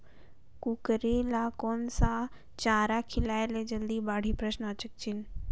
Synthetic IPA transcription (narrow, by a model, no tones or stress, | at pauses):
kukəɾilakoːnsa | t͡ʃaːɾakʰɪlaːeled͡ʒɐld̪ibaːɽ̤ipɾəʃnat͡ʃək̚t͡ʃin